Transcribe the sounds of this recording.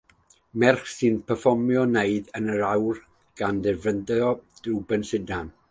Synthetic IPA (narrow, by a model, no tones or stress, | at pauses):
mɛrχsɨnpʰəfɔmjɔneɨdənəɾawr | ɡ̥andɛrvəndɔd̥ubɛnsɪdan